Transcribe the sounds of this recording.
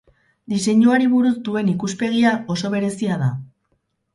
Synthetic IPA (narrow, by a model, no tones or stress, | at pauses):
d̪ise̞ɲuaɾiβuɾuzd̪ue̞nikuspe̞ɣ̞iao̞so̞β̞e̞ɾe̞siað̞a